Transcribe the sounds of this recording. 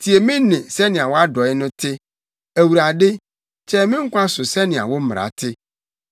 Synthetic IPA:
tʰi˨e˨mɪ̃˦nɪ̃˨sɛ˦nɪ̃˨a˨wɔ˦a˦dɔ˨ɪ˦nʊ̃˦tʰɪ˦ | æ˨wu˨ɾa˨dɪ˦ | t͡ʃʰɛ˦mɪ̃˦ŋ̩˦kʷʊ˦a˦sʊ˨sɛ˦nɪ̃˨a̰˨wʊ˦m̩˦m˨ɾa̰˨tʰɪ˦

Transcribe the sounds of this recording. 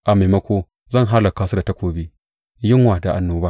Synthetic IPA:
ʔa˨ma˨mɐ˦kʷoː˦ | zɐ˦˨ŋɦa˦lɐ˨kaː˦su˦da˨tɐ˦kʷoː˨biː˦ | jɪ˦ŋwaː˨da˨ʔa˨nːoː˦baː˦

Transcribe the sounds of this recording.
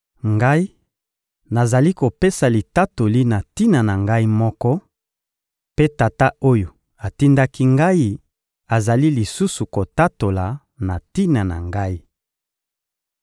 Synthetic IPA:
ŋɡa˦i˦ | na˨za˨li˦ko˨pe˦sa˨li˨ta˦to˨li˦na˨ti˦na˨na˨ŋɡa˦i˦mɔ˦kɔ˦ | pe˦ta˨ta˦o˦jo˨ | a˨ti˦nda˦ki˦ŋɡa˦i˦ | a˨za˨li˦li˨su˦su˨ko˨ta˦to˨la˨ | na˨ti˦na˨na̰˨ŋɡa˦i˦

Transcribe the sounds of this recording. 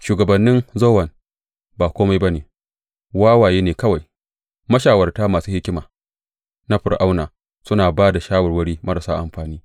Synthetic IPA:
ʃuː˨ɡɐ˨bɐ˨nːɪ˦nzo˦wɐ˨n | baː˨kʷoː˦ma˦jba˦neː˨ | waː˦waː˨jeː˦neː˨kɐ˦wa˨j | mɐ˦ʃaː˨wɐ˨rtaː˦maː˨suː˦hɪ˦kʲɪ˦maː˨ | na˦ɸɪ˨rʔa˦wnaː˨ | sʊ˦naː˨baː˦da˨ʃaː˦wɐ˨rwɐ˦ɽiː˦mɐ˦ɽa˨saː˦ʔa̰˨mɸaː˨niː˦

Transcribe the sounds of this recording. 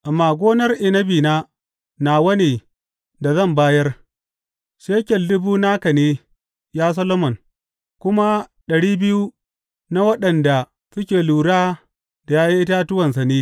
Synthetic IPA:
ʔa˨mːaː˨ɡʷoː˦nɐ˦rʔɪ˨nɐ˦biː˨naː˦ | na˨wɐ˦neː˨ | da˨zɐ˦˨mbaː˦jɐ˦r | ʃeː˦kʲɛ˨lːʊ˦buː˦naː˦kɐ˨neː˦ | jaː˦s̬ɐ˦lo˦mɔ˨ŋ | kʷʊ˦ma˦ɗɐ˨ɽiː˦bɪ˦ju˦ | na˦wɐ˦ɗɐ˨nda˨ | sʊ˦kʲeː˨luː˨ɽaː˦ | da˨jaː˦jɐ˦ŋʔɪ˦ta˦tʊ˦wɐ˨nsa˨neː˦

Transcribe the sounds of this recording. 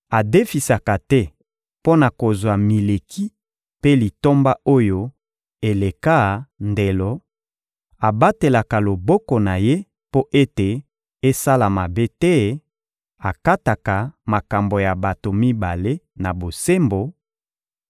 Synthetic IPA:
a˨de˦fi˨sa˨ka˨tɛ˦ | po˦na˨ko˨zwa˨mi˨le˨kʰi˦ | pe˦li˨to˦mba˦o˦jo˦ | e˨le˨ka˦˨nde˨lɔ˨ | a˨ba˦te˨la˨ka˨lo˨bɔ˦kɔ˨na˨je˦ | po˦ʔe˦te˨ | e˦sa˦la˨ma˨be˦tɛ˦ | a˨ka˦ta˨ka˨ma˨ka˨mbo˨ja˨ba˨to˨mi˦ba˨le˦na˨bo˨se˦mbo˨

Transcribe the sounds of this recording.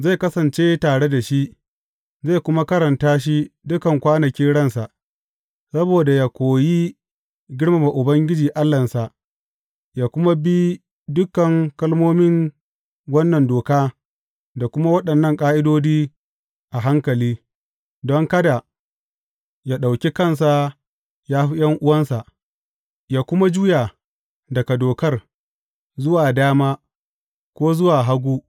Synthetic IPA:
za˦˨kɐ˦sɐ˨nt͡ʃeː˦taː˨ɽe˦da˨ʃi˦ʔ | za˦˨kʷʊ˦ma˦kɐ˦ɾɐ˨ntaː˦ʃ̬i˦dʊ˦kɐ˨ŋkʷaː˦nɐ˨kʲi˦ɽɐ˦˨nsa˨ʔ | sɐ˦boː˨da˨ja˦kʷoː˨ji˦ | ɡʲɪ˦ɽma˨ma˨ʔʊ˨bɐ˦ŋɡʲɪ˦d͡ʒiː˨ʔa˦lːɐ˨nsa˨ʔ | jaː˦kʷʊ˦ma˦bi˦ | dʊ˦kːɐ˨ŋkɐ˦lmoː˦mɪ˦ŋ | wɐ˦nːɐ˨ndoː˨kaː˦ | da˨kʷʊ˦ma˦wɐ˦ɗɐ˨nːɐ˦˨ŋkʼaː˦ʔɪ˦doː˦d͡ʒiː˦ | ʔa˨ɦa˦ŋkɐ˨liː˦ | dɔ˦ŋkɐ˦da˨ | jaː˦ɗa˨wkʲi˦kɐ˦˨ns̬a˨ | jaː˦ɸi˦jɐ˦ŋʔʊ˦wɐ˦nsa˨ʔ | jaː˦kʷʊ˦ma˦d͡ʒu˦ja˨ | dɐ˨ka˨doː˨kɐ˦r | zʊ˦waː˨daː˦maː˦ | kʷoː˦zʊ˦waː˨ɦa˦ɡʷuː˦

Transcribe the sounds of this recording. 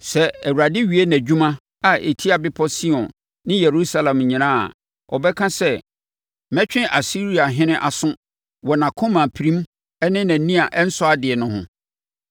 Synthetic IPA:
sɛ˨ɛ˨wa˨dɪ˦ɥi˨˦e˦næ̃˨d͡ʑᶣu˦mã˦ | a˨ʔe˨tʰi˦a˨bɪ˦pʰɔ˦si˦ɔ̃˨nː | ɪ̃˦jɛ˨ɾu˦sa˦lã˨mɲĩ˨nãː˦a̰˨ | ɔ̰˨bɛ˦kʰã˦sɛ˦ | mɛ̃˦t͡ɕᶣɪ̃˦ʔa˨si˦ɾi˦a˨ɦɪ̃˦nɪ̃˦ʔa˨sʊ̃˦ | wɔ˨nã˨kʰõ˦mã˨pʰi˨ɾĩ˦m˦ | ɛ˦nɪ̃˦næ̃˨nĩ˦a˨ʔɛ˦n̩˦sɔ˦a˦dɪ˨ɛ˨nʊ̃˨hʊ̰̃˨

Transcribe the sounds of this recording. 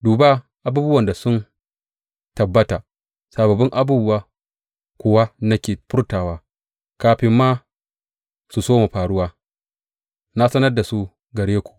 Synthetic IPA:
duː˨ba˦ | ʔa˨buː˦bʊ˦wɐ˨nda˨sʊ˦n | tɐ˨bːɐ˦ta˨ | sa˨bɐ˨bɪ˦ŋʔa˦buː˦bʊ˦wa˦ | kʷʊ˨wa˦na˦kʲeː˨ɸʊ˦rtaː˨waː˦ | kaː˦ɸɪ˦mːaː˦ | su˨soː˦mu˨ɸaː˨ɽʊ˦waː˦ | na˦sɐ˦nɐ˦rda˨su˦ | ɡɐ˨ɽeː˦kʷu̥˨ʔ

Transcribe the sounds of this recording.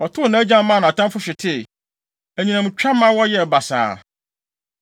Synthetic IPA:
ɔ˨tʰʊ˦˨nã˨˦æ˦d͡ʑã˦m˦mã˦˨nã˨tʰã˦mfʊ˦ɕᶣɪ˨tʰɪ˦˨ | æ˨ɲĩ˨nã˨mʊ̃˨t͡ɕᶣa˦m˦ã˦wɔ˦jɛ˦˨ba˨sa̰ː˨

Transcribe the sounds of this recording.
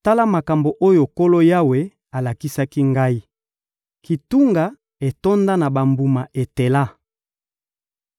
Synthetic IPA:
ta˦la˦ma˨ka˨mbo˨ʔo˦jo˨ko˦lo˦ja˦we˨ | a˨la˨ki˦sa˦ki˦ŋɡa˦i˦ | ki˨tu˦ŋɡa˨ | e˨to˦nda˦na˨ba˨mbu˨ma˨e˨te˨la˦

